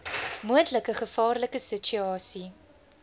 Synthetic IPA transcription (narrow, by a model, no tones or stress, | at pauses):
muəntləkəχəfɑːrləkəsət͡ʃyɑːsi